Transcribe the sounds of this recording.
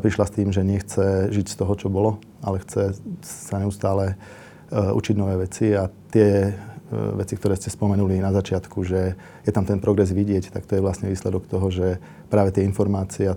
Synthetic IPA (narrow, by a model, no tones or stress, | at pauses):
pɾiʃlast̪iːmʒɛɲɪɛxt͡sɛʒicst̪ɔɦɔt͡ʃɔbɔlɔ | a̰lɛxt͡sɛsaɲɛust̪aːlɛ | ʔṵt͡ʃiɟnɔʋɛːʋɛt͡siat̪ɪɛ | ʋɛt͡sikt̪ɔɾɛːscɛspɔmɛnulinazat͡ʃɪat̪kuʒɛ | jɛt̪amt̪ɛnpɾɔɡɾɛzʋiɟɪɛct̪akt̪ɔjɛʋlasɲɛʋiːslɛd̪ɔkt̪ɔɦɔʒɛ | pɾaːʋɛt̪ɪɛinfɔɾmaːt͡siɛa